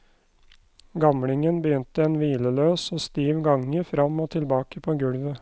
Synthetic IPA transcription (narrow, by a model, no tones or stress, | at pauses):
ɡɑmɽɪŋənbəjʏnt̪əɛːnʋiːləløːsoːst̪iːʋɡɑŋːəfɾɑmoːt̪ʰɪlbɑːkəpʰoːɡʉɽʋə